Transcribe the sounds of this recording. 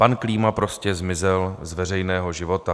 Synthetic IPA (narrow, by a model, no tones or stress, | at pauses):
pankliːmapɾo̞scɛzmɪzɛlzvɛr̝ɛjnɛːɦo̞ʒɪvo̞t̪a